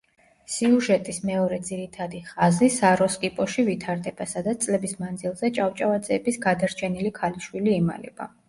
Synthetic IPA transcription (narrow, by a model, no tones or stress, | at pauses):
siuʒɛt̪ʼismɛɔɾɛd̪ziɾit̪ʰad̪iχazisaɾɔskʼipʼɔʃivit̪ʰaɾd̪ɛb̥asad̪at̪st̪sʼlɛbismand̪zilˠzɛt͡ʃʼavt͡ʃʼavat̪zʼɛːbisɡad̪aɾt͡ʃʰɛnilikʰaliʃwiliːma̰lɛ̰b̥a̰